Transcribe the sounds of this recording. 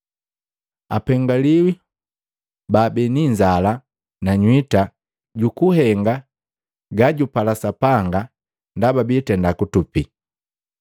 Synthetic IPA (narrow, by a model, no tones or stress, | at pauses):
a̰pɛŋɡaliwi | baːbɛniɲd͡ʒala | naɲwita | ɟukuhɛŋɡa | ɡaɟupalasapaŋɡa | ndababitɛndakutupi